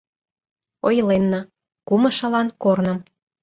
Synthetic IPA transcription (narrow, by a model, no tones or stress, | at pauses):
ojlenːɑ | kumɤ̆ʃɤ̆lɑnkornɤ̆m